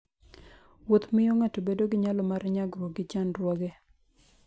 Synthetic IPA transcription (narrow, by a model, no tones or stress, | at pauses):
wot̪mɪjoŋatobedoɡɪɲalɔmaɾɲaɡɾwɔɡɪt͡ʃanɾwɔɡe